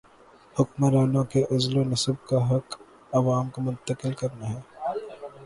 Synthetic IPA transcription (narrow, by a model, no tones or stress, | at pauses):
hʊkməɾaːnõkeʔɐzlonɐsəb̚kaɦɐk | ɐʋaːmkomʊ̃nt̪əkɪlkɐɾnaɦɛː